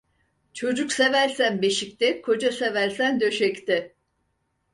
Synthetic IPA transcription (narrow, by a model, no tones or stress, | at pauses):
t͡ʃʰo̞d͡ʒuksevæɾsænbeʃik̚t̪ɪkʰo̞d͡ʒasevæɾʲsænd̪ø̞ʃɛct̪ɪ